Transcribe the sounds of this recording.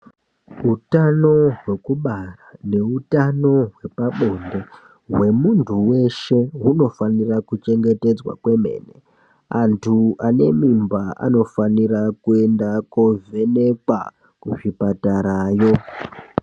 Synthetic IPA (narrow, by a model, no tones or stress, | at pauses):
utano̞ɦwe̞kuɓarane̞utano̞ɦwe̞paɓo̞nde̞ | ɦwe̞muntʰuwe̞ʃe̞ɦuno̞fanirakut͡ʃe̞ŋɡe̞te̞d͡zwa̰kwe̞me̞̰ːnḛ | antʰuane̞mimbaʔa̰no̞faniɾakue̞ndakove̞ne̞kwa̰ | kuʐipataɾajo̞